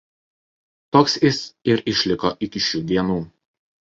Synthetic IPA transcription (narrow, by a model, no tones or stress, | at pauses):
t̪oːksɪsɪɾɪʃʲlʲɪkɔʔɪkʲɪʃʲuːd̪ʲiɛnuː